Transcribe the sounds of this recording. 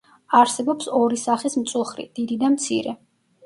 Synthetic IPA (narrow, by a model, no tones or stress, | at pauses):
aɾsɛbɔpsɔɾisaχismt̪sʼulˠχɾḭd̪̥id̪id̪amt̪sʰḭɾɛ